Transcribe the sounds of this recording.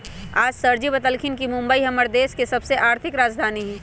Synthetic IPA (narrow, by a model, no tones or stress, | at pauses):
aːd͡ʒsɐɾd͡ʒibɐt̪əlkʰɪnkimʊ̃mbəiɦɐməɾd̪eːskesɐbseʔaːɾt̪ʰɪkɾaːd͡ʒd̪ʱaːniɦɛ̃ː